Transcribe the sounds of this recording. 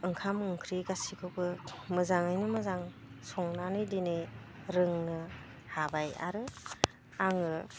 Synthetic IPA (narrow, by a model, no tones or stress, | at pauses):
ɯŋkʰamɯŋkʰɾiɡasikʰɯwbɯmɯzaŋajnɯmɯzaŋ | sɔŋnanɯjdinɯ | ɾɯŋnɯ | habaja̰ɾɯ | aŋɯ